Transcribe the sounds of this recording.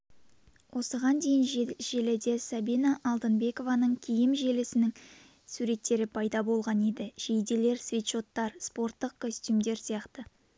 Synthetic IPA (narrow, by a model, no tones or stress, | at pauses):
wʔo̞səʁɑnd̪e̞jɪnʒeled̪e̞sɑbijnɑʔɑlˠd̪ənbe̞ko̞vɑnəɴkʲʰijɪmʒe̞lɪsɪnɪŋ | suɾe̞t̪ːe̞ɾɪpʰɑjd̪ɑbo̞lˠʁɑne̞d̪ɪʒ̥ejd̪ele̞ɾsvʲit̪ʃo̞t̪ːɑɾspo̞ɾt̪ːəq̚kʰost̪umd̪e̞ɾsijɑqt̪ə